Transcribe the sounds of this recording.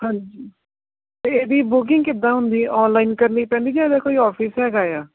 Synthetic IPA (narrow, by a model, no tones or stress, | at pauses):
hãːɲd͡ʒiː | t̪eːeːd̪iːbʊk̬ɪŋɡkɪd̪ːãːɦʊ̃nd̪iːʔɔːnlaːinkəɾniːpɛ̃ːnd̪iːd͡ʒaːd̪aːkoːiːɔːpʰɪːsɦɛːɡaːjaː